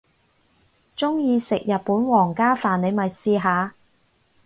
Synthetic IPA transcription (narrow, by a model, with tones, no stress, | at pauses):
t͡ʃʊ˥ŋjiː˧sɪ˨k̚jɐ˨t̚puː˨˥nwɔː˨˩ŋkaː˥faː˨˩ne˨˧jmɐ˨jsiː˧ɦaː˨˧